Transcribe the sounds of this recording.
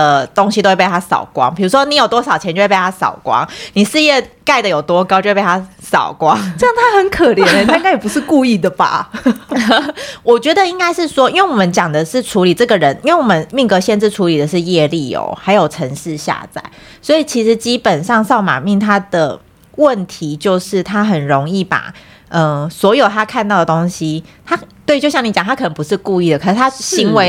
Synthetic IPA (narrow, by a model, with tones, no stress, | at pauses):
ə˨t̪o˥ŋɕi˨t̪o˥we˥˧pt̪ʰa˥sɑ̰˨˩ʊkwɑ̰˦ŋpʰi˨˩ɻu˧˥ʂwɔ˥ni˧˥jo˨˩t̪wɔ˥sɑ˨˩ʊt͡ɕʰjɛ˧˦nt͡ɕo˥˧˥pt̪ʰa˥sɑ̰˨˩ʊkwɑ̰˦ŋni˨˩ʂɻ̩˥˧jɛ˥˧ka˥˩ɪd̪ə˩jo˨˩ʊt̪wɔ˦kɑ˥ʊt͡ɕo˥˧˥p̪ʰa˥ | sɑ̰˨˩ʊkwɑ˦ŋʈ͡ʂə˥jɑ˥˧ŋt̪ʰa˥xə˧˦nkʰə˨˩ljɛ˧˦nə˧t̪ʰa˥ŋka˥jɛ˨˩pu˦˥ʂɻ̩˥˧ku˥˧i˥˩d̪ə˩ba̰˩ | wɔ˨˩t͡ɕɥɛ˧˥d̪ə˧˨i˥ŋka˥ɪʂɻ̩˥˩ʂwɔ˥i˥nwe˥˩wɔ˨˩mə˦nt͡ɕjɑ˨˩ŋd̪ə˦ʂɻ̩˥˩ʈ͡ʂʰu˧˥li˨˩ʈ͡ʂɤ˥˩ɡə˨ɻə˧˦ni˥nwe˥˩wɔ˨˩mə˦nmi˥˩ŋkɤ˧˥ɕjɛ˥˧nʈ͡ʂɻ̩˥˩ʈ͡ʂʰu˧˥li˨˩d̪ə˩ʂɻ̩˥˧jɛ˥˧li˥˩jo̰˧˩˦xa˧ɪjo˨˩ʊʈ͡ʂʰə˧˥ŋʂɻ̩˥˧ɕja̰˥˧t͡sa̰˥˩ɪswɔ˧˥i˨˩t͡ɕʰi˧˥ʂɻ̩˧˦t͡ɕi˦˥pə˨˩nʂɑ˥˧ŋsɑ˥˩ʊma̰˨˩mi˥˩ŋt̪ʰa˥d̪ə˩ | wə˥˨˩nt̪ʰi˧˦t͡ɕjo˥˧ʊʂɻ̩˥˩t̪ʰa˥xə˨˩nɻo˧˦ŋi˥˩pa̰˨˩ | ə˧swɔ˧˥jo˨˩ʊt̪ʰa˥kʰa˥˧nt̪ɑ˥˩ʊd̪ə˩t̪o˥ŋɕi˦t̪ʰa˥t̪we˥˩ɪt͡ɕo˥˧ʊɕjɑ˥˩ŋni˧˥t͡ɕɑ˨˩t̪ʰa˥kʰə˨˩ə˧˦ŋpu˧˦ʂɻ̩˥˧ku˥˧i˥˩d̪ə˩kʰə˨˩n̩˥˧t̪ʰa˥ɕi˧˥ŋwe˧˥ɪ